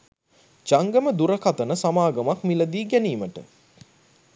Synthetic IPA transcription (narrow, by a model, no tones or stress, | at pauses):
d͡ʒaŋɡəməd̪uɾəkat̪ənəsamaːɡɐmakmilɐd̪iːɡæniːməʈə̰